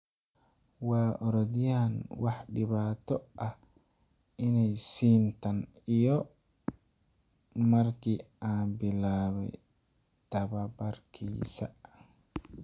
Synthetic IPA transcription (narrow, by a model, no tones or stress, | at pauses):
waːɔɾɔdijanwaħɗiβaːt̪ɔa | inajsiːntanijɔ | maɾkiabilawɛ̰ | t̪ababaɾkʰiːsa̰